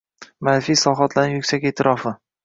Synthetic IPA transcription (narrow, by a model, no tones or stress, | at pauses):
manfijsɒχat̪ʰlanɪjʊkʲsakʲe̞ːt̪ʰɪɾʔɒfɪ